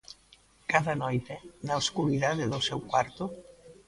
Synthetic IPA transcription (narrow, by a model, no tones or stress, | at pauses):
kaðanɔjt̪enaoskuɾiðaðeðolsɛwkwaɾt̪o